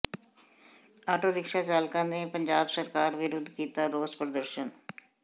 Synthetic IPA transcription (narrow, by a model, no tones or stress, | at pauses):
aːʈʰoːɾɪkʃaːt͡ʃaːlkãːneːpəɲd͡ʒaːbsəɾkaːɾʋɪɾʊd̪ʱkiːt̪aːɾoːzpɾəd̪əɾʃən